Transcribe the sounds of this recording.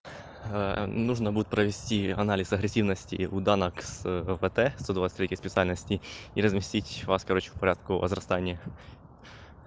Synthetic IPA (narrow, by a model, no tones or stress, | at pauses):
nuʐnɐbud̪ʊtʲpɾɐʋʲesʲtʲiɐnɑlʲisɐɦɾesʲiwnɐsʲtʲḭud̪ɑnɐkz̥ʋɛt̪ɛst̪ɔd̪ʋɑsʲɪ̥t̪ʲɾʲekʲijsʲpʲetsɨalʲnɐsʲtʲiiɾɐzʲmʲisʲtʲitʲʋɑskɐɾɔt͡ʃɪ̥wpɐɾʲad̪kʊɐ̰zrɐst̪ɑnʲːɐ